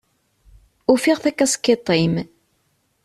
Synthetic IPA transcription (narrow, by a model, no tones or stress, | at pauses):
ufɪʁθækːæskːet̪ˤːim